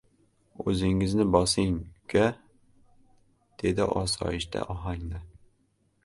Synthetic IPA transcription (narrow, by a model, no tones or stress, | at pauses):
ɵzɪŋɪznɪbɒsɪŋkʲʰa | d̪̥e̞d̪ɪʔɒsɒ̰ɪʃt̪ʰa̰ʔɒɦaŋnɪ